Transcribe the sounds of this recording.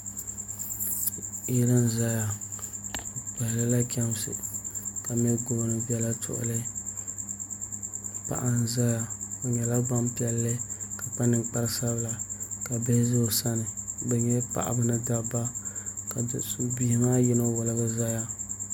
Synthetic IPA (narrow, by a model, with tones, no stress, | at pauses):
i˦ɾɨ˦n̩˨za˦ja˦˨ | k͡pɛ˨lɨ˦la˦kʰʲɛ˦msɨ̰˨ka˨mɛ˦ɡo˨˦nɨ˨bi˦ɛ˦la˦tʰʊ̰˨ʔʊ̰˦˨lɨ˦˨ | pa̰˨ʔa˨n˨za˦ja˦o˨ɲɛ˨la˦ɡ͡ba˦mpi˦ɛ˨lːɨ˦ka˨pa˦nɨ˨ŋk͡pa˦ɾsa˦bla˨ka˨bɛ˦zʊ˦˨sa˦nɨ˨bɛ˨ɲɛ˦pa̰˨ʔa̰˨bɨ˦nɨ˦da˦ba˦ka˨dɛ˨su˦bi˦hma˦jɪ˦no˦wʊ˨lɨ˦ɡɨ˦za˦ja˦